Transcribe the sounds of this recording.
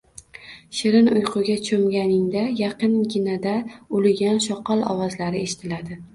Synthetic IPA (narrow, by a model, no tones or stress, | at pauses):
ʃɪɾɪnʊjqʰʊɡʲat͡ʃʰomɡʲanɪŋd̪ajɑqɨnɡʲɪnad̪aʊlɪɡʲanʃɒqʰɒlˠɒ̰wɒzlaɾɪe̞ʃɪ̥t̪ʰɪlad̪ɪ